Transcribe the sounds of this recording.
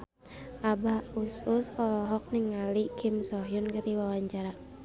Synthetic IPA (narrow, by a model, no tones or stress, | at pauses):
ʔabaususɔlɔɦɔk̚nɪŋalikʰimsɔɦjunkat̪iwawaɲt͡ʃaɾa